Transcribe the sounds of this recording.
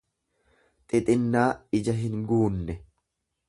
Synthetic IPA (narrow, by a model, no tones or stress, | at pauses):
t̪ʼɪt̪ʼɪnːaːɪd͡ʒɐɦɪŋɡuːnːɛ